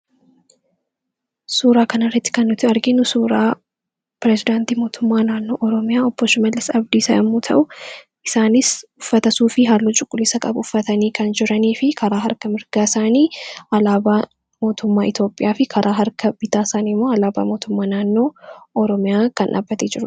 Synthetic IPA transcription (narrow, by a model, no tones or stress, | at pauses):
suːɾaːkɐnɐrːɐt̪ːɪ̥kɐnːʊt̪ɪɐɾɡɪnʊsuːɾaː | pɾɛzɪd̪ant̪iːmo̞ːt̪ʰʊmːaːnaːnːo̞ːʔɔɾɔmɪjaːɔpːoʃɪmɐlːɪsɐbd̪iːsɐʔɐmːuːt̪ʰɐʔʊ | ʔɪsaːnɪsʊfːɐt̪ɐsuːfɪɦaːlːut͡ʃʼʊkʼːʊlɪsɐkʼɐbɐʊfːɐt̪ɐniːkʰɐnd͡ʒɪɾɐniːfɪkʰɐɾaːɦɐɾkɐmɪɾɡaːɪsaːniːʔɐlaːbaː | mo̞ːt̪ʊmːaːɪt̪jo̞ːpʼːɪjaːfɪkʰɐɾʔaːɦɐɾkɐb̥ɪt̪aːsaːnimːoːɐlaːba̰ːmo̞ːt̪ʊmːaːnaːnːo̞ːɔɾɔmɪjaːkɐnʔa̰ːbːɐt̪eːd͡ʒɪɾʊ